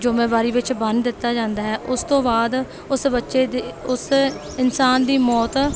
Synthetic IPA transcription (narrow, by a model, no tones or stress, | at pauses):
d͡ʒoːmẽːbaːɾiːʋɪt͡ʃbə̃nd̪d̪ɪt̪ːaːd͡ʒãːnd̪aːɦɛːʔʊst̪õːbaːd̪ | ʊsbətːʃeːd̪iʊs | ɪnsaːnd̪iːmɔːt̪